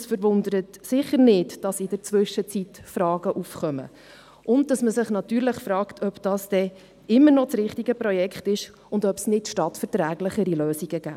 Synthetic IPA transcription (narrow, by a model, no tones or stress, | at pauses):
sfəɾʋʊndəɾətsɪχəɾnɪtd̥ɑsɪd̥əɾt͡sʋʏʃət͡sitfɾɑːɡ̥əʔufχœmə̰ | ʊnd̚d̥ɑsməsɪχnɑtyːɾləχfɾɑːktʰœpd̥ɑːsd̥ɛ | ɪmːəɾnɔt͡sɾɪχtiɡ̥əpɾɔjɛkχtɪʃ | ʊndœpsnɪtʃtɑtfəɾtɾæːɡləχəɾiløːsiɡ̥əɡ̥æ̰ː